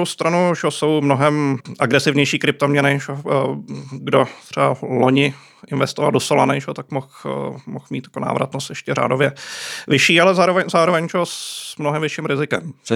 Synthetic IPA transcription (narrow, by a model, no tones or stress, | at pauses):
ɾowst̪ɾanuʒɛoso̞wmnoɦɛmʔaɡɾɛsɪvɲɛjʃiːkɾɪp̚t̪omɲɛnɪʒɛo | ɡdot̪r̥ɛbaloɲɪ | ʔɪnvɛst̪ova̰ldosola̰nɛʒɛot̪akmoxmoxmiːt̪jakona̰ːvɾʔa̰t̪nost̪jɛʃcɛra̰ːdovjɛvɪʃiːalɛzaːɾovɛɲzaːɾovɛɲʒɛosmnoɦɛmvɪʃɪmɾɪzɪkɛ̰m